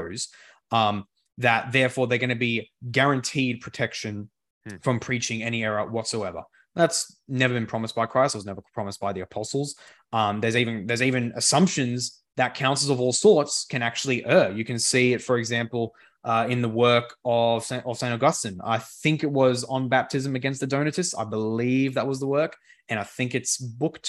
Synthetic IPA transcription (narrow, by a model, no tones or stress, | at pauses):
ʊz | ðɨt̪̚ðɛɹfɔɹðə˞ɡʌñɨbiɡɛɹɨ̃ntʰid̚pʰɹ̥ɨtʰɛkʃɨ̃n | fɹʌ̃mpʰɹ̥it͡ʃɪ̃ŋɛñiɛɹə˞wʌtsoʊɛvə̰˞ | ðætsnɛvə˞bɨ̃npʰɹ̥ɑməsb̥aɪkʰɹ̥aɪstt̚wʌznɛvə˞pʰɹ̥ɑməsb̥aɪðiɨpʰɑsl̩ˠz̥ | ʌ̃ðə˞zivɨ̃nðə˞zivɨ̃nɨsʌ̃mpʃɨ̃nz | ðɨt̚kʰãʊ̃nsl̩ˠʌvɔlˠsɔɹtskʰɨ̃næk̚t͡ʃʉl̩ˠiʔɜ˞jɨkɨ̃nsiɪtfə˞ɨɡzæ̃mpl̩ˠ | ʔʌɪ̃nðəwɜ˞kʰʌv̥sʔʌv̥sẽɪ̃ñɨɡʌstɨ̃na̰ɪθɪ̃ŋkɨt̚wʌzn̩bæp̚tʰɨzɨ̃mɨɡɛ̃nst̪̚ðɨdõʊ̃nɨɾɨstsa̰ɪbəlivðət̚wʌzðəwɜ˞k | ɨ̃ñaɪθɪ̃ŋkɨtsbʊktʰ